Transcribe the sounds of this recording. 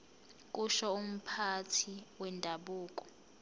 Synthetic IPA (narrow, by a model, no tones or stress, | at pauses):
kʼuʃɔum̩pʰatʰiwɛndʱaɓuːkʼɔ̥